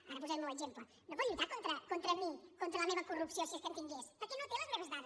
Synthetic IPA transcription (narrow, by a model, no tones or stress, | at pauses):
aɾɐβuzeɾmewezemplɐ | nõvojʎut̪aɾkõnt̪ɾɐkont̪ɾɐmĩkõnt̪ɾɐlɐmeβɐkurupsjõsesk̪enk̪ĩɲɡespɐɾkenõwt̪ẽlɐzmeβɐzðað